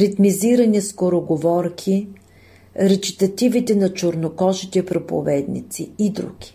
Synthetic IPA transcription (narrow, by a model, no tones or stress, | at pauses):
ɾit̪miziɾɐniskoɾoɡovɔɾkʰi | ɾɛt͡ʃ̪i̥t̪ɐt̪ivit̪ɛnɐt͡ʃoɾnokɔʒit̪ɛpɾopo̰vɛd̪nḭt̪siid̪ɾṵɡ̥ʲi̥